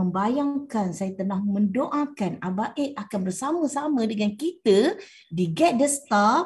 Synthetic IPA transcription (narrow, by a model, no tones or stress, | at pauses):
əmbajaŋkansajat̪ənahmə̃ndoʔakanabaʔeʔakanbərsamə̃samãdəŋankit̪ə | diɡɛt̪̚dəst̪a